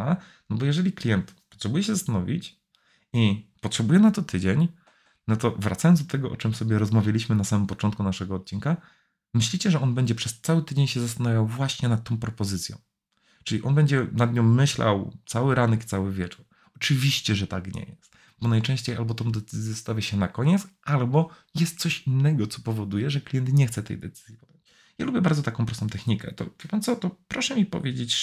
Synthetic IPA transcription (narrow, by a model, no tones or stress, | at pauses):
a | nɔbɔjɛʐɛlʲiklʲijɛnt̪pɔ̥tʂɛbujɛɕ̬ɛzast̪anɔvʲḭt͡ɕ | ipɔtʂɛbujɛnat̪ɔt̪ʰɘd͡ʑeɲ | nɔt̪ɔvɾat̪sajɔnzd̪ɔt̪ɛɡɔʔɔ̰t͡ʂɛmsɔbʲjɛɾɔzmavʲjalʲiɕmɘnasamɘmpɔt͡ʂɔnt̪kunaʂɛɡɔːt̪̚t͡ɕinka | mɘɕlʲit͡ɕɛʐɛʔɔnbɛɲd͡ʑɛpʂɛst̪sawɘt̪ɘd͡ʑeɲɕɛzast̪anavʲjawvwaɕɲɛnat̪ːɔ̃w̃pɾɔpɔzɘt̪sʲjɔ̰̃w̃ | t͡ʂɘlʲiʔɔnbɛɲd͡ʑɛnad̪ɲɔ̃w̃ːɘɕlʔa̰wt̪sawɘɾanɛkt̪sawɘvʲjɛt͡ʂuɾ | ɔt͡ʂɘvʲiɕt͡ɕɛʐɛt̪akɲɛ̰jɛst̪ | bɔnajt͡ʂɛ̃w̃ɕt͡ɕejʔalbɔt̪ɔ̃w̃d̪ɛt̪sɘzʲjɛst̪avʲjɛɕɛnakɔɲɛt̪sʔalbɔjɛst̪̚sɔɕinːɛɡɔt̪sɔpɔvɔd̪ujɛʐɛklʲijɛnt̪ɲɛxt̪sɛt̪ɛ̰jd̪ɛ̰t̪sɘ̥zʲjipɔd̪̥jɔ̃t͡ɕ | jalubjɛbaɾdzɔt̪akɔ̃pɾɔst̪ɔ̃w̃t̪ɛxɲikɛ̰t̪ɔ̰vʲɛpamsɔt̪ɔpɾɔʂɛmʲipɔ̰vʲjed͡ʑet͡ɕ